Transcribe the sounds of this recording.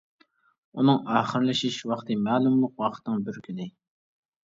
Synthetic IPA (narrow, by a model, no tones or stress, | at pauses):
unɨŋɑːχəɾlɪʃiʃwɑχt̪ʰɨmɛːlˠumlˠʊqwɑqʰə̥t̪ʰnɨŋbyɾkʲʰylɪ